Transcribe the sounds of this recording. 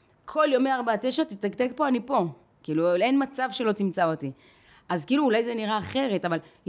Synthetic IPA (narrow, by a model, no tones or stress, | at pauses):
kʰo̞ljomeaʁbat̪eʃat̪itaɡd̪ekpo̞anipo̞ | kiːlulenmat͡savʃe̞lo̞t̪imt͡saot̪i | azkiːluːlajzeniʁaːχe̞ʁe̞taval